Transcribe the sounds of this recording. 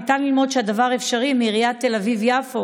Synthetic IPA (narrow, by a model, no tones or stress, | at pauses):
it̪anlilmo̞dʃeadavaʁefʃaʁimiʁijat̪ːelavivjafo